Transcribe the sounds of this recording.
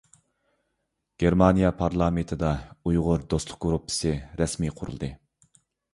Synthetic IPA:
ɡ̥ʲeɾmɑnijɑpʰɑɾlˠɑmet̪ʰɨd̪ɑujʁʊɾd̪ost̪lˠʊ̥q̚ɡɾupʰːɨ̥sɨɾɛsmiqʰʊɾṵlˠd̪ɨ

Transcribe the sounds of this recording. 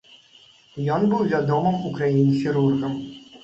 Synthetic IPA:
jɔnbɨwvʲad̪ɔmɨmukɾajinʲxʲiɾurɣɐm

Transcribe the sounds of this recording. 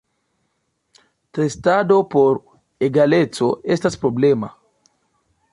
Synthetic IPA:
t̪est̪ad̪opoɾ | eɡalet͡soest̪aspɾoblema

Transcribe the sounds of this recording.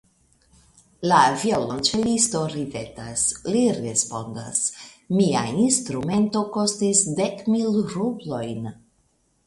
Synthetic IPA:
laːviolont͡ʃelisto̞ɾipe̞tasliɾespo̞nda̰s | mia̰instɾume̞nto̞ko̞stisde̞kmilɾublo̞jn

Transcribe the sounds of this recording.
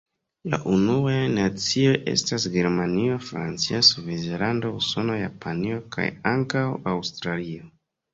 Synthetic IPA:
la̰ʔunuajnat͡sio̞jʔe̞̰stasɡe̞ɾmanio̞fɾa̰nt͡siasuvezelandouso̞no̞ja̰pʰanio̞kʰa̰jaŋkawawstɾalio̞

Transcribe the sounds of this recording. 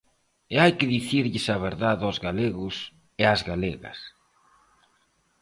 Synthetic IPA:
ɪajkɪðiθiɾʎɪsɐβ̞eɾðaðɔzɣaleɣʊs | ɪazɣaleɣɐ̰s

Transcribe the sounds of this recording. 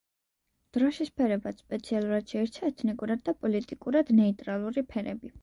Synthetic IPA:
d̪̥ɾɔʃispʰɛɾɛbat̪spʼɛt̪sʰialˠuɾad̪̥ʃɛɛɾt̪t͡ʃ̪ʰaɛt̪ʰnikʼuɾad̪̚ːapʼɔlit̪ʼikʼuɾad̪nɛit̪ʼɾalˠuɾipʰɛɾɛbi

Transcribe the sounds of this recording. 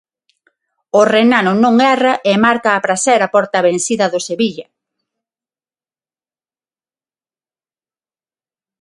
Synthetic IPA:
orenanʊnõŋɛrɐʔemaɾkaːpɾasɛɾapɔɾt̪ɐβẽnsiðɐðoseβiʎɐ

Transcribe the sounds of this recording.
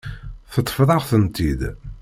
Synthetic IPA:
θət̪ˤːə̥fðˤɑʁθənt̪id̪

